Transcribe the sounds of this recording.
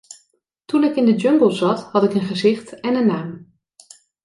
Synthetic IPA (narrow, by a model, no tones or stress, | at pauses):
tunɪkɪndəd͡ʒøŋɡəl̩ˠzɑthɑtɪkənχəzɪxtɛnənːaːm